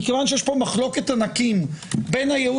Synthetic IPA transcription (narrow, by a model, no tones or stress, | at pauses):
kevanʃejeʃpo̞maχlo̞ket̪anakimbejnajeu